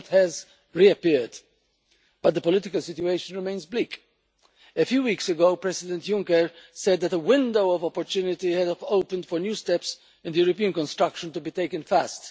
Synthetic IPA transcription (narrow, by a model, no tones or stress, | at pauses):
t̪hɛz | ɹiəpɪɹd | b̥ʌt̪̚d̪əpɔlɪt̪ɪkəlsɪtjueɪʃə̃nɹɪmẽɪ̃nzbliːk | əfjuːwiːksəɡoʊpɹɛsɪd̪ɛ̃ntjʊ̃ŋkəɹsɛd̪̚ðætəwɪ̃nd̪oʊɔvɔpɔɹt̪juːnɪt̪ihɛdoʊpə̃ndfɔɹnjuːstɛps | ɨ̃nd̪əjuɾɔpiə̃nkɔ̃nst̪ɹʌkʃə̃ntubit̪eɪkə̃nfæst